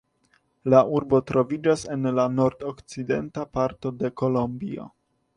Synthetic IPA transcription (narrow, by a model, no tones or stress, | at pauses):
laʔuɾbo̞tɾo̞vid͡ʒase̞nlano̞ɾdokt͡side̞̰ntapaɾto̞de̞ko̞lo̞mbio̞̰